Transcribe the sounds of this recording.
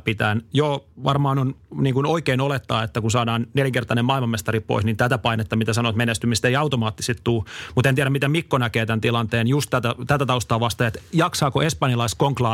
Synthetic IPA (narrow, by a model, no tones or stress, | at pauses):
pit̪æːnjoːʋɑrmɑːnonniːŋkunoikeːnolet̪ːɑːet̪ːækunsɑːdɑːnneljæŋkert̪ɑinemɑˑilmɑmest̪ɑrippo̰isnint̪æt̪æpɑinet̪ːɑmit̪æsɑnoːt̪menest̪ymist̪eiɑut̪omɑːt̪ːi̥set̪t̪uːmut̪eniæɾæmit̪æmikːonækeːt̪ænt̪ilɑnt̪eːnjust̪t̪æt̪æt̪æt̪æt̪ɑust̪ɑːʋɑst̪ɑet̪jɑksɑːkoespɑnjɑlɑiskoŋklɑː